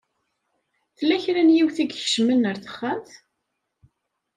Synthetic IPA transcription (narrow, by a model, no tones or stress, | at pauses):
θəlːæçɾænjiwθiɡçə̥ʃmənːəɾθə̥χːəmθ